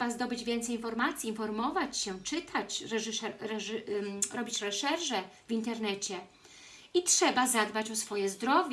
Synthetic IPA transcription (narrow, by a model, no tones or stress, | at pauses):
bazd̪ɔbɘd͡ʑvʲjɛnt̪sɛjinfɔɾmat̪sʲjiːnfɔɾmɔvat͡ɕɕɛt͡ʂɘt̪ʰat͡ɕɾɛʐʂɛɾɛʐɾɔbʲit͡ɕɾɛʂɛɾʐɛ | vʲint̪ɛɾnɛt͡ɕɛ | itʂɛbazad̪bat͡ɕɔsfɔjɛzd̪ɾɔvʲ